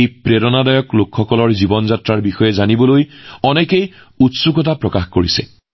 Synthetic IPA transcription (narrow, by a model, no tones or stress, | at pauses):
ejpɹeɾɔnadɔjɔklokʰxɔkɔlɔɹzibɔnzatɹaɹbixɔjɛzanibɔlojɔnɛkej | utsuɡɔtapɹɔkaxkoɹisɛ̰